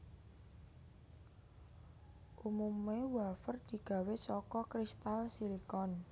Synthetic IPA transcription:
ʔumumewafərd̪̥i̤ɡ̥ä̤wesɔkɔkɾist̪alsilikɔn

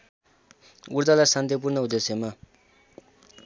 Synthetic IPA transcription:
uɾd̪alasant̪ep̬urnʌud̪esjema

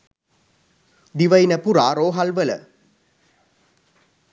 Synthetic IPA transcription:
d̪iʋəinəpuɾaːɾoːɦalʋələ̰

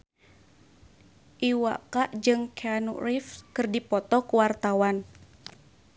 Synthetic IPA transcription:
ʔiwa̰kaʔd͡ʒɨŋkʰeanṵrifkɨrdipɔt̪ɔkuwart̪awan

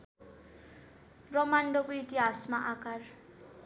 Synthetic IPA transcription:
rʌmaɳɖokoit̪iɦasmaʔakar

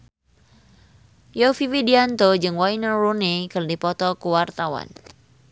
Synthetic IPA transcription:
jofiwidiant̪od͡ʒɨŋwainərunikɨrdipɔt̪ɔkuwart̪awa̰n

